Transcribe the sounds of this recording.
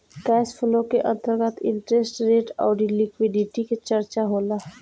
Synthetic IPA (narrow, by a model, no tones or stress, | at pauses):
kɛːspʰʊlõkeʔɐ̃nt̪əɾɡat̪ɪ̰̃ɳʈɾesʈɾeːʈɔ̰ːɖilɪkwɪɖɪʈiket͡ʃɐɾt͡ʃaɦoːlaː